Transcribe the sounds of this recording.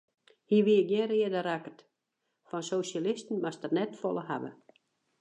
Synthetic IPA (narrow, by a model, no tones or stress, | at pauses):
hiːʋiəɡjɪnrɪədəɾakət | fɔnsosalɪstn̩mastərnɛtfɔlˠəhabə̰